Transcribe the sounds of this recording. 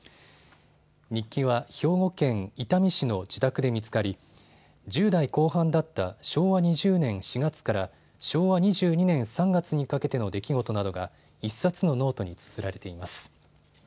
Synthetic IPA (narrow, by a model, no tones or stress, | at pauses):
ɲ̟ikʲːiβaço̞ːɡo̞kẽ̞ŋit̪amʲiɕino̞d͡ʑit̪akɯd̪e̞mʲit͡sɨ̥kaɾʲi | d͡ʑɨːd̪aiko̞ːɦãnd̪at̪ːaɕo̞ːβaɲ̟iʑɨːnẽ̞ɰ̃ɕiɡat͡sɨ̥kaɾa | ɕo̞ːβaɲ̟iʑɨːɲ̟inẽ̞ɰ̃sãŋɡat͡sɨɲ̟ikake̞t̪e̞no̞d̪e̞kʲiɡo̞t̪o̞nad̪o̞ɡa | isːat͡sɨno̞no̞ːt̪o̞ɲ̟it͡sɨ̥zɨɾaɾe̞t̪e̞imasɨ̥